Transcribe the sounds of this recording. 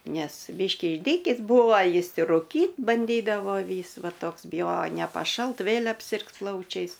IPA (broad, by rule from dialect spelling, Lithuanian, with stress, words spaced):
ˈnʲɛs ˈbʲiːʃʲkʲiː ɪʒʲˈdʲiːkʲiːs ˈbuːʋɐ ˈjɪs ɪr rʊˈkʲiːt bɐnʲˈdʲiːdɐʋoː ˈʋʲiːs ˈʋɐ ˈtoːks bʲɪˈjoːjoː nʲɛpɐˈʃɐlˠt ˈʋʲeːlʲ ɐpʲˈsʲɪrks ˈplˠɐʊt͡ʃʲɛɪs